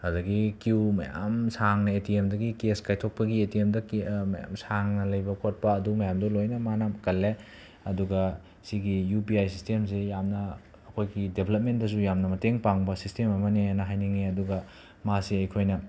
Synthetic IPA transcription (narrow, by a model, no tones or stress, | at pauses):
hɐdɐɡikuwmɐ̰ja̰msaŋnɐetiemdɐɡikeskajtʰok̚pɐɡietiemdɐkmɐja̰msaŋnɐlɐjbɐkʰot̚pɐːdumɐjamdɐlojnɐmanakɐlːe | ɐduɡɐ | siɡijupiajsistemsejamnɐː | kʰojɡidebʰʱelɐp̚ment̚dɐs̬ujamnɐmɐteŋpaŋbɐsistemɐmɐnenɐɦajniŋeɐduɡɐ | masiɐjkʰojnɐ